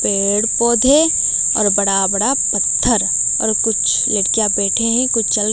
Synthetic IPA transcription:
peː | ɽpoːd̪ʱe | ɔːɾbɐɽabɐɽapɐt̪ʰːəɾ | ɔ̰ːɾkʊt͡ʃʰ | ləɽkijabɛːʈʰeɦikʊt͡ʃʰt͡ʃɐl

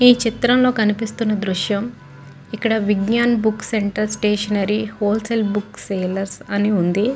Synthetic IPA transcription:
iːt͡ʃit̪ɾɐmlo̞ːkɐnipist̪unːɐd̪ɾuʂjɐm | ikːɐɽɐʋiɡɲaːnbukːseɳʈɐɾsʈeːʂɐnɐɾihoːlselbukseːlɐɾsɐniund̪i

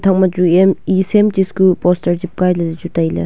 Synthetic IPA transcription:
t̪ʰaŋmad͡ʒuemisemtiskupɔstɐɾd͡ʒip̚kajlɐdɐd͡ʒutajlɐ̰

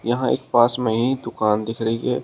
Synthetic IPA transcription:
jɐɦãḛːk̚paːsmẽɦĩd̪ʊkaːnd̪ɪkʰɾɐɦiɦɛː

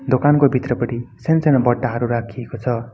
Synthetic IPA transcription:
d̪okankobʱit̪rʌpʌɽisensenʌbʌʈːaɦʌɾuɾakʰiekot͡sʰʌ

